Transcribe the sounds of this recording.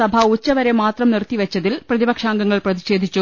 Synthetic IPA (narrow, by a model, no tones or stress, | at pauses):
ɐbʱɐut͡ɕːɐʋɐɾemaːt̪rɐmnirt̪ːiʋɐt͡ɕːɐðilprɐðibɐkʂaːŋɡɐŋːɐɭprɐðiɕe̞ːd̪ʱit͡ɕːu